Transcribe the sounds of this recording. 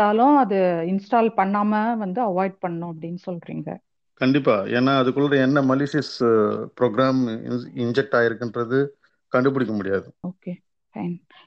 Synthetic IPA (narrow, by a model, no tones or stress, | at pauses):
aːlʊ̃ɐðɯɪnsʈaːlpɐɳːaːmɐʋɐnd̪ɯɐʋaːɪɖ̚pɐɳːʊ̃ɐpːɐɽɪnːɯsɔlɾḭːŋɡɐ̰ | kɐɳɖɪpːaːḛːnːaːɐðɯkːɯɭːɐɾɐɛnːɐmɐlɪːʂɐspɾoːɡɾaːm̰ɪɲd͡ʒɛk̚ʈaːjɪɾɯkːɪndɾɐðɯ | kɐɳɖɯp̬ɯɽɪkːɐmʊɽɪjaːðɯoːkeː | fɐɪn